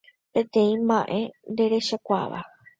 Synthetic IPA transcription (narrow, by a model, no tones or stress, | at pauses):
pẽ̞t̪ẽ̞ĩmãʔe̞nd̪e̞ɾe̞ʃakʷa̰ʋa̰